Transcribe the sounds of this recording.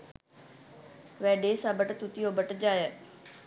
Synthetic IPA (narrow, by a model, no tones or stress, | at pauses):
ʋɛːɖeːsãbəʈt̪ut̪ijobəʈd͡ʑaːje